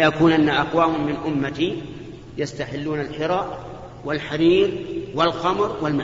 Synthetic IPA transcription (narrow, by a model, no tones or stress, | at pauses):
jakuːnʔanːaʔaqwaːmmːɪnʔʊmːat̪i | jast̪aħɪlːuːnalħɪɾˤɑːʔ | wɪlħaɾiːɾwɪlqɑmɾˤwɪlma